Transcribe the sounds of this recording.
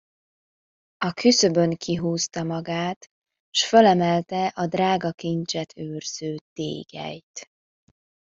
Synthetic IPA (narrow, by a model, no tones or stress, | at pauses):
ɒkʰysøbøŋkʰiɦuːst̪ɒmɒɡaːt̪ | ʃfølɛmɛlt̪ɛʔɒd̪raːɡɒkint͡ʃɛt̪ʰøːrz̥øːt̪ḛːɡ̥ɛ̰jt̪